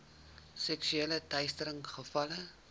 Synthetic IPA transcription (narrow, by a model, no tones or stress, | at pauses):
sɛksyeːlətɛjstəɾəŋχəfɐlə